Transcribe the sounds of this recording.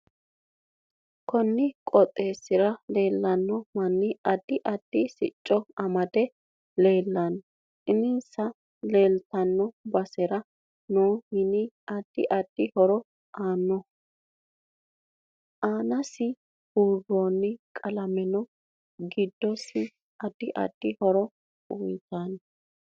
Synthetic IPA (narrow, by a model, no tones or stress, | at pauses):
kɔnːɪkʼɔt̪ʼːe̞ːsɪɾɐle̞ːlːɐnːɔmɐnːɪɐd̪̥ːɪʔɐd̪̥ːɪsɪ̰t͡ʃʼːɔɐmɐd̪ɛ | le̞ːlːɐn | ɪnɪnsɐ | le̞ːlt̪ɐnːɔbɐsɛɾɐ | noːhɪnɪɐd̪̥ːɪ̰ʔɐd̪̥ːɪhɔɾɔ | ʔaːnːɔ | ʔaːnɐsɪ | huːroːnːɪkʼɐlɐmɛnɔ | ɡɪd̪ːɔsɪ | ʔɐd̪̥ːɪʔɐ̰d̪̥ːɪhɔɾɔ | ʊjt̪an